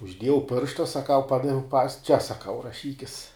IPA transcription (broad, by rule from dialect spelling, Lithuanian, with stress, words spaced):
ʊʒʲˈdʲiɛjɛʊ ˈpʲɪrʃtɐ sɐˈkɐʊ ˈpɑːdɐʋʲɛʊ pɐs t͡ʃʲɛ sɐˈkɐʊ rɐˈʃʲiːkʲɪs